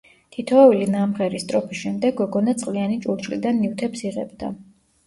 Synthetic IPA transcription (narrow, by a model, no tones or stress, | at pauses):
t̪ʰit̪ʰɔːvilinamʁɛɾist̪ʼɾɔpʰisʃɛmd̪ɛɡːɔɡɔnat̪sʼqʼlianit͡ʃʼuɾt͡ʃʰʼlḭd̪anːiwt̪ʰɛpsiʁɛ̰bd̪a̰